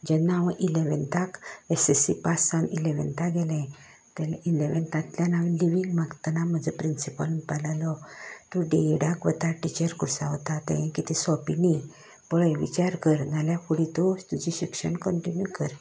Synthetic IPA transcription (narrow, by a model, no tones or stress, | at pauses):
d͡ʑɛnːaʋʔileʋɛnt̪akesesipasanileʋɛ̰nt̪aɡɛlɛ̃ | t̪ɛlileʋɛnt̪ãt̪ljanaʋliʋiŋɡmaɡt̪ənaməd͡zəpɾinsipəlunpalalɔt̪uɖeɽakʋət̪aʈit͡ɕəɾkuɾsaɦɔt̪at̪ɛ̃jɛ̃kit̪isɔpini | pɔɭəjʋḭt͡ɕaɾkəɾnaljakuɽit̪ɔst̪ud͡ʑiɕikʂənkɔɳʈinjukəɾ